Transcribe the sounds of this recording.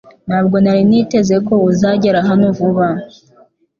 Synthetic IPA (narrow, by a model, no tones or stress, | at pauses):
n̥haːb̚ɡo̞naɾinite̞ze̞ko̞uzaɟeɾaɦanovuβa